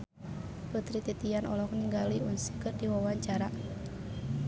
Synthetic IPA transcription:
pət̪ɾit̪it̪ijanʔɔlɔhkniŋɡaliunsə̥kərdiwawaɲt͡ʃaɾa

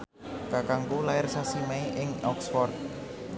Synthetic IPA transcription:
kakaŋkulaɪrsasimaiʔɪŋɔksfɔrt̪̚

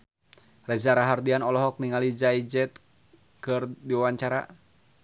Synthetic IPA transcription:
rɛd͡ʒaɾaɦardianɔlɔɦɔk̚niŋalid͡ʒaid͡ʒɛt̪̚ | kɨrdiwawaɲt͡ʃaɾa

